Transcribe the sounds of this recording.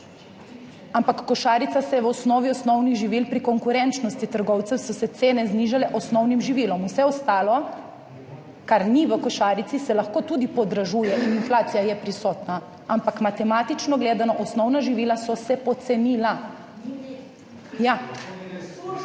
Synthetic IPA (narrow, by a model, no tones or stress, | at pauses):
ampakːɔʃaːɾit̪sasɛjɛʋɔsnɔːʋiɔsnɔwniɣʒiʋilpɾikɔŋkuɾɛnt͡ʃnɔst̪it̪əɾɡɔwt̪sɛwsɔsɛt̪seːnɛzniʒalɛʔɔsnɔwnimʒiʋilɔmusɛɔst̪aːlɔ | kaɾniʋəkɔʃaːɾit̪isɛlɐxkoːt̪uːd̪ipɔd̪ɾaʒuːjɛʔininflaːt̪sijajɛpɾisɔːt̪na | ampakmat̪ɛmaːt̪it͡ʃnɔɡleːd̪anɔʔɔsnɔwnaʒiʋilasɔsɛpɔt̪sɛniːla | ja